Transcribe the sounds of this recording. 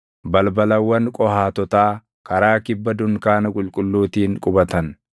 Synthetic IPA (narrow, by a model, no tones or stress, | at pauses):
bɐlbɐlɐwːɐnkʼɔhaːt̪ɔt̪aː | kɐɾaːkɪbːɐd̪ʊŋkaːnɐkʼʊlkʼʊlːuːt̪iːŋkʼʊbɐt̪ɐn